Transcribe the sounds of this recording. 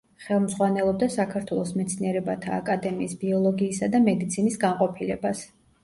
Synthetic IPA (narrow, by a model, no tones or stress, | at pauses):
χɛlˠmzʁwanɛlˠɔb̚d̪asakʰaɾt̪ʰwɛlˠɔsmɛt̪sʰniɛɾɛbat̪ʰaːkʼad̪ɛmiːsb̥iɔlˠɔɡiːsad̪amɛd̪it̪sʰinisɡaɴqʼɔpʰilɛbas